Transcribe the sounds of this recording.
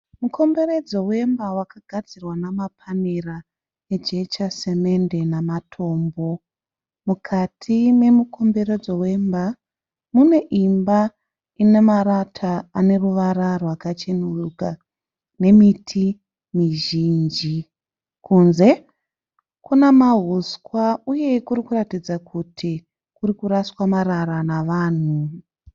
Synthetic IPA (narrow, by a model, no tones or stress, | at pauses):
muko̞mbe̞ɾe̞d͡zo̞we̞mbawakaɡʱad͡zirwanamapʰanira | ed͡ʒe̞t͡ʃase̞me̞nde̞namatʰo̞ːmbo̞ | mukʰatʰine̞mukʰo̞mbe̞ɾe̞d͡zo̞we̞mba | mune̞ʔimba | ine̞maɾatʰaane̞ruʋaɾarwakat͡ʃenuruka | ne̞mitʰi | miʒiːnd͡ʒi | kunze̞ | kunemaɦuskwauje̞kuɾikuratid͡zakʰutʰi | kuɾikuɾaswamaɾaɾanaʋaːn̤u